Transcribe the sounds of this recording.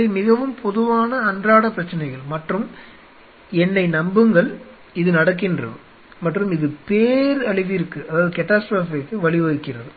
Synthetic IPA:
ɐmɪɣɐʋɯmpʰɔðɯʋaːnɐːndraːɽɐpɾɐt͡ʃːɐnɐɪɣɐɭmɐʈrɯm | ɛnːɐɪnɐmbɯŋɡɐɭ | ɪðɯnɐɽɐk̬ːɪndrɐ̰ðɯ | mɐʈrɯmɪðɯpeːɾɐɭɪʋɪɾɯkːɯɐðaːðɯkɛʈːaːsʈɾoːfɪkːɯʋɐɭɪʋɐɣɯkːɪɾɐðɯ

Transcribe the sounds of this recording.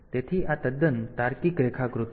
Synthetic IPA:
t̪et̪ʰiːʔat̪əd̪ənt̪aɾkikɾekʰakɾut̪

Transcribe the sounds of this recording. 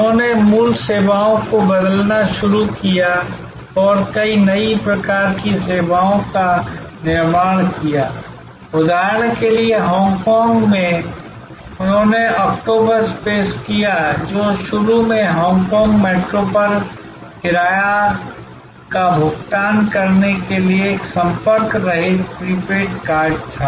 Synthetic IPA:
ʊɦõːnemuːlseːbaːõkobəd̪əlnaʃʊɾukija | ɔːɾkɐinɐipɾɐkaːɾkiseːbaːõka | nɪɾmaːɽ̃kijaː | ʊd̪aːɾnkelieɦɔ̃ːŋɡkɔːŋɡmẽ | ʊnɦõːneʔɔːk̚ʈoːbəɾspeːskijad͡ʒoːʃʊɾumẽɦɔ̃ːŋkɔ̃ːŋɡmeːʈɾopəɾ | kɪɾaːja | kabʱʊk̚t̪aːnkɐɾnekelieːksə̃mpəɾkɾɐɦit̪pɾiːpeːʈkaːɾd͡ʒt̪ʰaː

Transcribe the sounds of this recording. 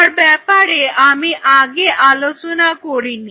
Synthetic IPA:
aɽbɛpaɽeamiʔaɡeʔalot͡sunakoɽini

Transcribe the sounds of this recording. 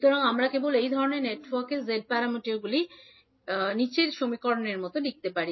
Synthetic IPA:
ʃut̪oɾaŋamɾakebolejd̪ʱɔɾoneɾneʈwɔɾkezeɖ̚paɾameʈeɾɡuli | nit͡ɕeɾʃomikɔɾoneɾmɔt̪oɖik̚t̪epaɾi

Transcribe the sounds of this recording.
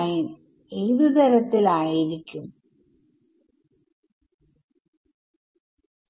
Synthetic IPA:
jin | eɻðɨt̪ɐɾɐt̪ːilaːjiɾikʲːum

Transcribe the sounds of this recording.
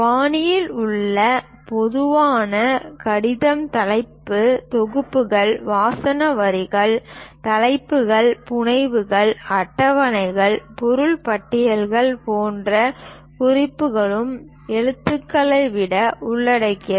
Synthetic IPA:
paːnɪjɪlʊɭːɐ | pɔðɯʋaːnɐkɐɽɪðɐmt̪ɐlɐɪpːɯt̪ɔɣɯpːɯɣɐɭʋaːsɐnɐʋɐɾɪɣɐɭt̪ɐlɐɪpːɯɣɐɭpʊɳɐɪʋɯɣɐɭɐʈːɐʋɐnɐɪɣɐɭpɔɾɯɭpɐʈːɪjɐlɣɐɭpoːndrɐ | kʊrɪpːɯɣɐɭɯm | ɛɻɯt̪ːɯkːɐɭɐɪʋɪɽɐʊɭːɐɽɐɪkːɪ

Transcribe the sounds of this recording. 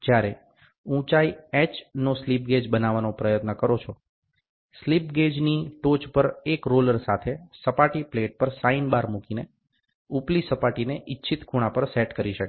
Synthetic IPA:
d͡ʒjaɾe | ũt͡ʃaiɛt͡ʃnoslip̚ɡed͡ʒbənaʋanopɾəjət̪nəkəɾot͡ʃʰo | slipɡed͡ʒniʈot͡ʃpəɾekɾoləɾsat̪ʰesəpaʈipleʈ̚pəɾsainbaɾmukine | uplisəpaʈineʔɪtːʃʰit̪kʰuɽ̃ãpəɾsɛʈkəɾiʃəke

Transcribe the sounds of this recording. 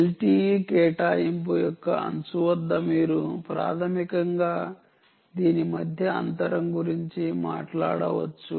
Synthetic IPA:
lʈiːkɛːʈaːimpoːjɔkːɐ̰ɐ̰nt͡ʃuʋɐd̪ːɐmiːɾupɾa̰ːt̪ʰɐmikɐŋɡaː | d̪iːnimɐd̪ʱjɐɐ̰nt̪ɐɾɐmɡuɾiɲt͡ʃima̰ːʈla̰ːɽɐʋɐ̰t͡ʃːu

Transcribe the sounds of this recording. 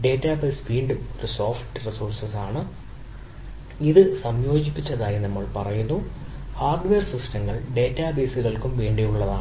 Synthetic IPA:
ɖe̞ːtːaːbesʋiːɳɖumoɾuso̞ːfʈɨrisuːrsɐsaːɳɨ | iðɨsɐmjo̞ːd͡ʑipːit͡ɕːɐðaːjinɐmːɐɭpɐrɐjunːuhaːrɖʋeːrsistɐŋːɐɭɖe̞ːtːaːbeːsuɣɐɭkumʋeːɳɖijuɭːɐðaː

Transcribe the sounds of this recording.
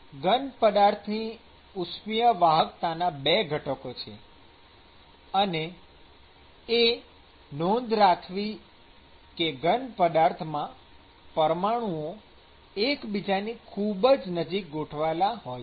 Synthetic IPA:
ɡənpəd̪aɾt̪ʰni | usmijəʋaɦəkt̪anabeɡʱəʈəkot͡ʃʰḛ | əne | e | nond̪ɾakʰʋi | keɡənpəd̪aɾt̪ʰmã | pəɾmaɽ̃uo | ekbid͡ʒanikʰubəd͡ʒnəd͡ʒik̚ɡoʈʰʋalaɦoj

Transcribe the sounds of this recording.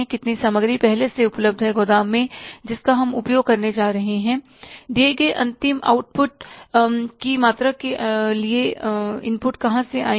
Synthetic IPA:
ɛ̃kɪt̪nisɐməɡɾipɛɦleseʊpləb̚d̪ʱɦɛɡod̪aːmːẽd͡ʒɪskaɦɐmʊpjoːɡ̚kɐɾned͡ʒaːɾɐɦeɦɛ̃ː | ɖ̪eːɡeʔɐ̰̃nt̪ɪma̰ːʊʈ̚pʊʈ̚ | kimaːt̪ɾakelieɪ̰̃npʊʈkɐɦãsea̰ːi

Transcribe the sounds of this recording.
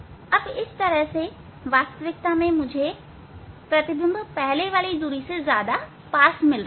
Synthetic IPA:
ɐbɪst̪ɐɾəɦse | ʋaːst̪əʋɪk̚t̪amẽmʊ̃d͡ʑʱe | pɾɐt̪ɪbə̃nd̪pɛɦleʋaːlizuːɾisẽzjaːd̪a | paːsmɪlɾa

